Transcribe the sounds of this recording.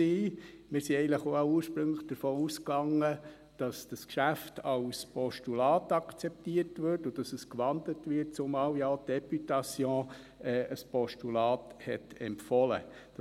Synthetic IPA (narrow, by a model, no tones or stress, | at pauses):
iː | mɪːɾsiɛɪɡən̩ləχoauːɾʃpɾɵŋləχd̥əɾfoːuskɑŋːə | d̥ɑsd̥ɑskʃæftʰɑwspɔʃtulɑːtɑkt͡sɛp̚tiəɾtʋøːtʊd̥ɑsəskʋɑnd̪lətʋɪt̚t͡sʊmɑːwjaotd̥ɛpytɑsjɔ̃ː | ɛːʔəspɔʃtulɑːthɛtɛmpfɔlə̰d̥